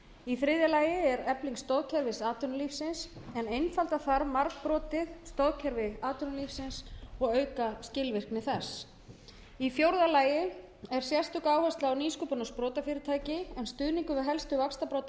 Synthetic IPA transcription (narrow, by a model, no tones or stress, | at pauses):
iθɾɪðjalaːjɪɛɾɛpliŋkst̪oðcʰɛɾvɪsaːt̪ʏɾnliːfsɪnsɛnejnfalt̪aθaɾmaɾkpɾɔːt̪ɪðst̪oðcʰɛɾvɪaːt̪ʏɾnʏliːfsɪnsɔɣœːɥkascɪlvɪr̥knɪθɛs | ifjowɾðalaːjɪ | ɛɾ̥sjɛ̥st̪ʏkaːwhast̪laːwniːskʏpʏnaspɾɔːt̪afɪːɾɪt̪ʰaːjcɪɛnst̪ʏðniŋkʏvɪɦɛlst̪ʏvakst̪apɾoːt̪